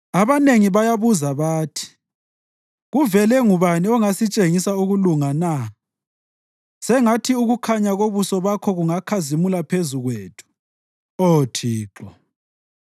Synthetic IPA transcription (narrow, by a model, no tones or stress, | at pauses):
aβaneŋiβajaβuzaβaːtʰi̥ | ɣuvɛlɛŋuβaniɔŋasit͡ʃʼeŋisauɣuluŋana | sɛŋatʰiuɣukʰaɲaɣoβusɔβakʰɔɣuŋakʰazimulapʰezuɣweːtʰu̥ | otʰiːǁɔ